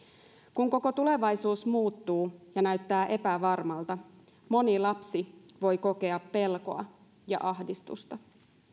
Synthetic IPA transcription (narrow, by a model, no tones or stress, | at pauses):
kuŋko̞ko̞t̪ule̞ʋɑjsuːsmuːt̪ːuːjɑnæɥt̪ːæːʔe̞pæʋɑrmɑlt̪ɑ | mo̞nilɑpsiʋo̞jko̞ke̞ɑpːe̞lko̞ɑ | jɑ̰ʔɑhdist̪ṵst̪ɑ